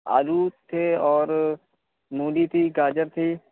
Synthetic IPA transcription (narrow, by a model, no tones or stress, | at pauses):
a̰ːluːt̪ʰeːɔːɾ | mũːliːt̪ʰiːɡaːd͡ʒəɾt̪ʰiː